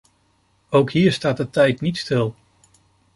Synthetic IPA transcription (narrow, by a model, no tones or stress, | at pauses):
owkɦiːəɹstaːt̚ətɛjtnitstɪlˠ